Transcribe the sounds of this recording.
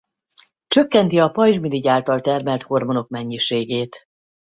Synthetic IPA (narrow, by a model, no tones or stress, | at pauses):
t͡ʃø̞kːɛnt̪iɒpɒjʒmiliɟaːlt̪ɒlt̪ɛrmɛlt̪ho̞rmo̞no̞kmɛɲːiʃeːɡeːt̪